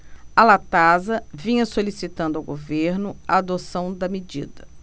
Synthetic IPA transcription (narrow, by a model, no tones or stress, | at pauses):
alat̪azɐvĩɲɐsolisit̪ɐ̃nd̪ʊɐwɡoveɾnʊaːd̪osɐ̃w̃d̪ɐmed͡ʒḭd̪ɐ